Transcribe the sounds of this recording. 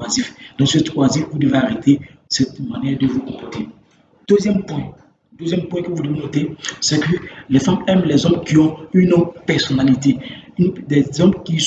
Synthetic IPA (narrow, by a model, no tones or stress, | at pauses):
azifd̥̪ɔ̃sət̪wazifvud̪evaʁet̪ʰe | sɛt̪manjɛʁd̪əvukɔ̃pɔt̪e | d̪̥øzjɛmpwɛ̃ | d̪øzjɛmpwɛ̃kəvud̪evenot̪esɛkəlɛfamɛmlɛzɔ̃bkiɔ̃ynɔpɛʁsɔnalit̪end̪ɛzɔ̃bkis